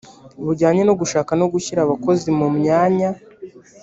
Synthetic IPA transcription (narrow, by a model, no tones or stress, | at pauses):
uβuɾɟaːɲe̞noɡuʃaːkanoɡuçiɾaβako̞zimumɲaːɲa